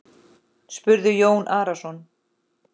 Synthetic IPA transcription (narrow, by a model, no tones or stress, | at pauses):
spʏɾðʏjoːwnʔaːɾasɔn